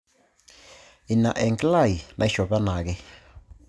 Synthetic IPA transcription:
i˨na˨ʔɛ˨ŋkla˦˨ji˨nʔa˨i˦ʃɔ˨βa˦na˨k̬ɛ˦

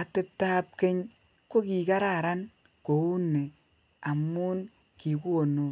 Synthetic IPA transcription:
a˨te˦ta˦p̚ke˦ɲ | ko˦ki˨ka˦ɾa˦˨ɾa˦n | ko˨wu˦ne˨ | a˨mu˦n | ki˨ku˦o˨no˦

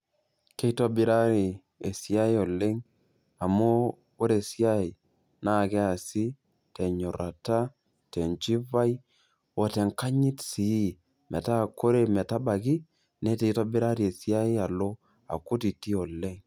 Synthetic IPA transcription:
ke˦i˦to˦bɪ˦ɾa˦ɾi˨ | e˨si˦a˦i˦o˨le˦ŋ | a˨mu˦ | o˦ɾe˨si˦a˦i˨ | na˨kɛ˦a˨si˦ | te˨ɲo˨ɾa˨ta˦ | te˨nt͡ʃi˦va˦j | wo˨te˨ŋka˦ɲi˦tsi˨˦ | mɛ˨ta˦˨ko˦ɾe˨mɛ˨ta˦ba˨ki˦ | ne˦te˨i˦to˦bɪ˦ɾa˦ɾi˨e˨si˦a˦i˦a˨lo˦ | a̰˨kʊ˦ti˨ti˦o˨le˦ŋ

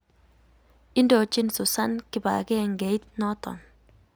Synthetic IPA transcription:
ɪ˦ndɔ˨˦t͡ʃɪ˦nsʊ˨sa˦nkɪ˦ba̰˨kɛ˦˨ŋɡe˨˦i˦t̪̚nɔ˦t̪ɔ̰˨n

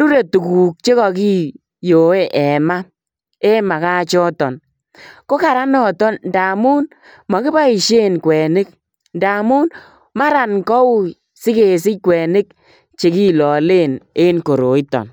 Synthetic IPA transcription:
ɾu˦ɾe˨tu˨ku˨k̚t͡ʃe˦kɔ˨ki˦ | jo˨e˦ʔɛ˨ma˦ | e˦ma˨ka˦t͡ʃɔ˦tɔ˨n | ko˦ka˨ɾa˦nɔ˦˨tɔ˦nnda˨mu˦n | ma˨kɪ˦ba˦i˨ʃe˦nkwɛ˨nɪ˦k̚ | nda˨mu˦n | ma˦ɾa˨nkɔ˦u˦ | sɪ˦ke˨s̬ɪ˦kwɛ˨nɪ˦k̚ | t͡ʃe˨ki˦lɔ˨le˦˨ne˦nko˨ɾo˨i˦tɔ̰˨n

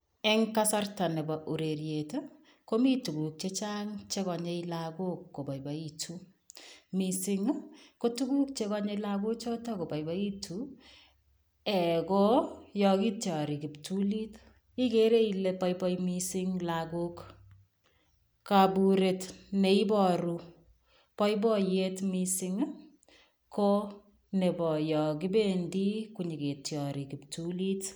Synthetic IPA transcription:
ɛŋka˦sa˦rta˨ne˨baʔu˨ɾeɾjeto | ko˦mi˦tu˨kuk̚t͡ʃet͡ʃaŋt͡ʃe˦kɔ˨ɲeilaɡo˦kːo˨ba˨iba˨itu | misɪŋko˦tu˦ku˦k̚t͡ʃe˦kɔ˦ɲe˦laɡu˦t͡ʃɔ˦ta˦ko˨pa˨jba˦i˦tʰu | ɛ˨kɔjɔkitt͡ʃa˨ɾi˨ki˨ptuli˦t | i˦ke˦ɾe˦ile˦pɔ˦jpɔ˦jmisiŋlaɡu˦k | kabuɾe˨tne˨i˦bɔ˨ɾu | pɔ˦ib̬ɔ˦jetmisi˧ŋ | kʰɔ˦ | ne˨bɔ˨jɔ˨k̬i˦bendi˦kuɲi˨ke˨tjɔ˨ɾi˨ki˨ptulit

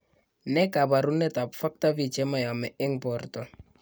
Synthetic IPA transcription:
nɛ˦ka˨ba˨ɾu˦nɛ˦ta˨bfa˦k̚ta˦bi˨t͡ʃɛ˦ma˨ja˨mɛ˨ʔɪ˦ŋpɔ˨rtɔ˨

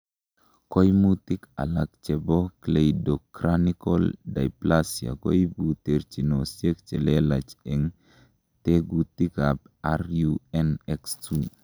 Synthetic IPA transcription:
ko˦jmu˦ti˦ka̰˨la˨k̚t͡ʃe˨bo˦kle˨jdo˨kɾaniko˦lda̰˨iplasja̰˨ko̰˦jbute˨ɾt͡ʃi˨no˨sje˦k̚t͡ʃe˨le˦la˨t͡ʃe˨ŋ | te˦ɡu˨t̪i˦kap | aɾjuɛnɛkstu˦

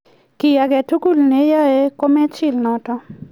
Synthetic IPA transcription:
ki˨ja˧ɡɛ˨tu˦ɡu˦˨lne˦ja˦e˦ko˦mɛ˦t͡ʃi˦lnɔ˨tɔ˦

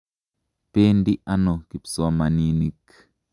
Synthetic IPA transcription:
pe˦ndi˦ʔa˦no˨ki˨psɔ˦a˦ma˨ni˦ni˦k

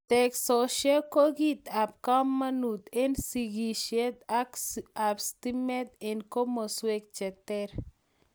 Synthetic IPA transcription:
t̪ɛksoʃja˦lko˦ɡi˦t̪a˨p̚ka˦mːa˦nu˨t̪e˦nsiɡiʃe˦t̪akabst̪imɛ˦t̪ɛ˨nko˦mo˨swek̚t͡ʃɛ˨t̪ɛɾ

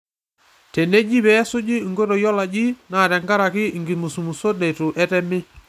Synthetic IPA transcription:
tɛ˨ne˦d͡ʒi˦bɛ˨˦sʊ˦d͡ʒi˦˨ŋɡo˦to˨jɔ˦la˨d͡ʒi˦naː˨tɛ˨ŋɡa˦ɾa˨kɪ˦˨ŋɡɪ˨mu˨su˨mu˨so˦de˨tʊ˨ʔɛ˦tɛ˦mɪ˦

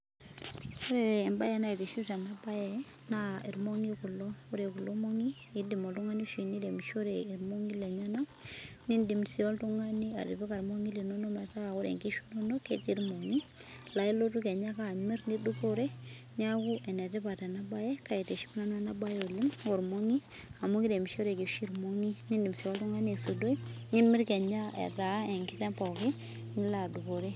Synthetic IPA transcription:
o˦ɾɛː˨mba˦jɛ˨na˦i˨ti˨ʃu˦ta˨na˦ba˦jɛ˦ | nai˨ɾmo˦ŋi˦ku˨lɔ˦ɔ˦ɾe˨ku˨lo˦mo˦ŋi˦i˦di˨mɔ˨ltu˦ŋa˦ni˦ʃu˨i˨ni˦de˨mʃo˦ɾei˨ɾmo˦ŋi˦le˨ɲa˦na˦ | ni˦ndi˨msi˦ɔ˦ltu˦ŋa˦ni˦a̰˨ti˨pa˦ka˨ɾmo˦ŋi˦li˨nɔ˦nɔ˦ma˨ta˦a˨o˦ɾḛ˨ŋki˦ʃu̥˦nɔ˦nɔ˦ke˦ti˦ɾmo˨ŋi˦la˨i˦lo˦tu˦kɛ˨ɲa˦ka˦˨mi˦ɾni˦du˦ko˦ɾe˦ | ni˦a˦kʊ˦ʔɛ˨nɛ˨ti˦pa˨tɛ˨na˦ba˦jɛ˦ka˦i˨te˨ʃi˦m˦na˦na˦na˦ba˦jo˨li˦ŋo˨ɾmo˦ŋi˦a˨mo˦ŋɡi˦de˨m˨ʃo˦ɾe˨ki˨ʃi˦ɾmo˦ŋi˦ni˦ndi˨msi˨ɔ˦ltu˦ŋa˦ne˨su˨do˦i˦ni˦mɪ˦ɾkɛ˨ɲa˦ɛ̰˨da˨˦ɛ˨ŋkɪ˦tɛ˦mpɔ˨kɪ˦ | ni˦la˨du˨ko˨ɾe˦

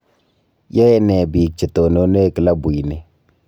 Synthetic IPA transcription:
jɛ˦nɛ˨bi˨k̚t͡ʃe˨to˨no˨˦ne˦˨kɪ˦la˦bu˨i˨ne˨

